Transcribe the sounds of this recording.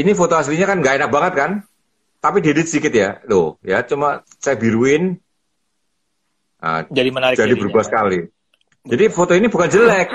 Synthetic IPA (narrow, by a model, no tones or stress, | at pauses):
inifot̪oɦasliɲakanŋɡaʔenak̚baŋət̪̚kan | t̪apidedɪt̪̚sikɪt̪jadʊhjat͡ʃuma | sajabiɾuɪn | ʔa̰d͡ʒadimənaɪd͡ʒadibəɾubahsəkali | d͡ʒadifot̪oinibukand͡ʒəlɛk̚